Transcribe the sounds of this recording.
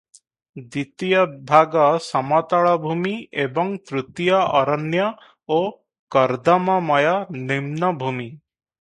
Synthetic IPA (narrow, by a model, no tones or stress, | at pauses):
d̪it̪ijɔbʱaɡɔsɔmɔt̪ɔɭɔbʱumiebɔŋt̪ɾut̪ijɔʔɔɾɔnjɔ | o | kɔɾd̪ɔmɔmɔjɔnimnɔbʱumi